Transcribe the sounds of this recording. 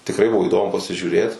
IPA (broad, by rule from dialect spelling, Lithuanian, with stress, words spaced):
tʲɪkˈrɐɪ ˈbʊʋoː iːˈdoːmʊ pɐsʲɪʒʲuːˈrʲeːt